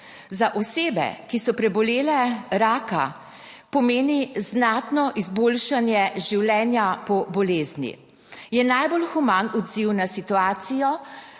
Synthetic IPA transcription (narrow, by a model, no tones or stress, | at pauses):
zaʔɔseːbɛ̰kisɔpɾɛbɔleːlɛɾaːka̰ | pɔmeːniznat̪nɔʔizboːlʃanjɛʒiwlɛːnjapɔbɔleːznjḭ | jɛnajbolxumanɔd̪ziwnasit̪uaːt̪sijɔ